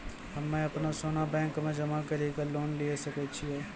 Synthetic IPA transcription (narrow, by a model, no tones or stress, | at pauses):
ɦɐmːẽɐpnasoːnabɛ̃ːŋkmẽd͡ʒɐmakɐɾikaloːnliesɐkət͡ʃʰiɦɛː